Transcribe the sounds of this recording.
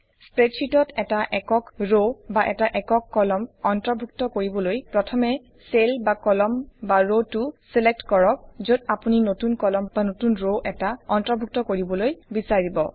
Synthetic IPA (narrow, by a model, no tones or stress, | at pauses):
spɹetsitɔtɛtaʔɛkɔkɹobaʔɛtaʔɛkɔkːɔlɔmɔntɹɔbʱuk̚tɔkoɹibɔlojpɹɔtʰɔmɛ | selbakɔlɔmbaɹotuselek̚tkɔɹɔk̚zodapuninotunkɔlɔmbanotunɹoʔɛtaɔntɹɔbʱuk̚tɔkoɹibɔlojbisaɹibɔ̰